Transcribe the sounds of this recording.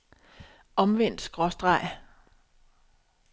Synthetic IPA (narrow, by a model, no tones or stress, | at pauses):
ɒ̽mʋen̰d̥sɡ̥ʁɒ̽sd̥ʁɑ̈ɪ̰